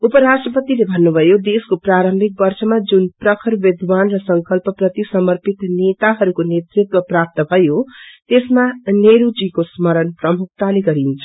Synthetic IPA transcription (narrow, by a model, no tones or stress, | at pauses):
upʌɾasʈrʌpʌt̪ilebʱʌnːubʱʌjod̪eskopraɾʌmbʱik̚bʌrsʌmad͡zunprʌkʰʌɾbed̪ʱwanrʌsʌŋkʌlpʌprʌt̪isʌmʌrpit̪net̪aɦʌɾukonet̪rit̪wʌprap̚t̪ʌbʱʌjot̪esmaneɾud͡zikosmʌɾʌnprʌmuk̚ʰt̪aleɡʌɾint͡sʰʌ̥